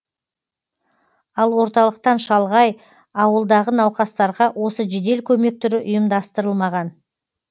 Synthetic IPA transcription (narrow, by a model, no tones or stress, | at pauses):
ɑlˠwo̞ɾt̪ɑlˠəq̚t̪ɑnʃɑlˠʁɑj | ɑwəlˠd̪ɑʁənɑwqɑst̪ɑɾʁɑwʔo̞səʒed̪e̞lkʲʰɵme̞k̚t̪ʰʏɾɪʔʊjəmd̪ɑst̪əɾəlˠmɑʁɑn